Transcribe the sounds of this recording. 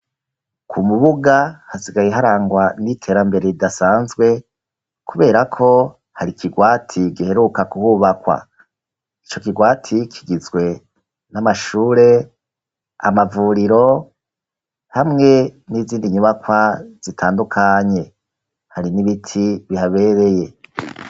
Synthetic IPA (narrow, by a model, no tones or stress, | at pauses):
kʰumuβuɡahasiɡajeɦaɾaːŋɡwanitʰe̞ːɾambe̞ɾe̞ɾidasaːnzɡwe̞ | kʰuβe̞ːɾakʰo̞ | haɾikʰiɡwaːtʰiɡihe̞ɾukakuhuβakwa̰ | it͡ʃo̞kiɡwaːtʰikʰiɡizɡwe̞ | namaʃuːɾe̞ | a̰mavuːɾiɾo̞ | hamŋe̞niziːndiɲuβakwaz̥itʰaːndukʰaɲe̞ | haɾiniβitʰiβihaβe̞ɾe̞je̞